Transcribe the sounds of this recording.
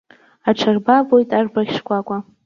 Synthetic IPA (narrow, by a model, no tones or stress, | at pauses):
aʈ͡ʂʰarbavojtʼarbaɣʲʂkʷʼakʷʼa